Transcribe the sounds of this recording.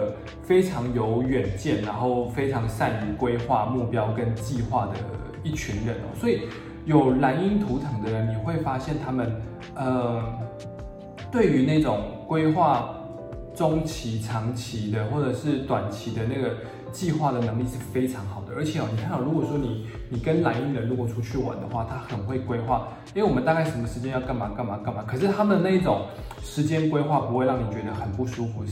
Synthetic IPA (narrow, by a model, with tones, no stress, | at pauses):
fe˥ɪʈ͡ʂʰɑ˧˥ŋjo˧˦˥ʊɥɛ˨˩nt͡ɕjɛ˥˩nɻa˧˥nxo˥˩ʊfe˥ɪʈ͡ʂʰɑ˧˥ŋsa˥˧ny˧˥kwe˥ɪxwa̰˥˧mu˥˨˩pjɑ˥ʊkə˦˥nt͡ɕi˥˧xwa˥˩d̪ə̰˩ | i˥˩t͡ɕʰy˧˥nɻə̰˧˥nɔ̰˨swɔ˧˥i˨˩ | jo˨˩ʊla˧˥ni˥nt̪ʰu˧˥t̪ʰɤ˧˥ŋd̪ə˧ɻə˨˧˦nni˨˩xwe˥˩ɪfa˥ɕjɛ˥˩nt̪ʰa˥mə˨n | ə˨˩ | t̪we˥˩ɪy˧˥na˥˩ɪʈ͡ʂʊ˨˩ŋkwe˥ɪxwa˥˩ | ʈ͡ʂʊ˥ŋt͡ɕʰi˧˥ʈ͡ʂʰɑ˧˥ŋt͡ɕʰi˧˥d̪ə˧xwɔ˥˩ʈ͡ʂɤ˨˩ʂɻ̩˥˩t̪wa˨˩nt͡ɕʰi˧˥d̪ə˨na˥˩ɡə˩ | t͡ɕi˥˧xwa˥˩d̪ə˩nɤ˧˥ŋli˥˧ʂɻ̩˥˩fe˥ɪʈ͡ʂʰɑ˧˦ŋxɑ˨˩ʊd̪ə̰˦˩ə˞˧˥t͡ɕʰjɛ˨˩ɔ˨˦ni˨˩kʰa˥˧nt̪ɑ˥˩ɻu˧˥kwɔ˨˩ʂwɔ˥ni˨˩ | ni˨˩kə˦nla˧˥ɪy˥˩lə˧˦nɻu˧˥kwɔ˨˩ʈ͡ʂʰu˥t͡ɕʰy˥˩wa̰˧˦nd̪ə̰˨xwa̰˥˩t̪ʰa˦˥xə˨˩nxwe˥˩ɪkwe˥ɪxwa˥˩ | i˥we˥˩wɔ˨˩mə˦t̪a˧ka˥˩ɪʂə˧˥mə˨˩ʂɻ̩˧˥t͡ɕjɛ˥njɑ˥˧ʊka˥˧nma˨˩ka˥˧nma˨˦ka˥˧nma˨˩˦kʰɤ˨˩ʂ̬ɻ̩˥˩t̪ʰa˥mə˨n˦na˥˩i˥˩ʈ͡ʂʊ̰˨˩ŋ | ʂɻ̩˧˦t͡ɕjɛ˥nkwe˥ɪxwa˥˩pu˧˥xwe˥˧ɪɻɑ˥˩ŋni˨˩t͡ɕɥɛ˧˦d̪ə˧xə˨˩npu˥˩ʂu˦fu˨˥